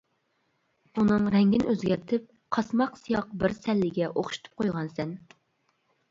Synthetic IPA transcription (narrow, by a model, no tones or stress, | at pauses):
unɨŋɾɛŋɡʲinøzɡʲɛɾt̪ʰɪp̚ | qʰɑsmɑqsijɑq̚bɪɾsɛlːɪɡʲɛʔoχʃu̥t̪ʰu̥p̚qʰojʁɑnsɛn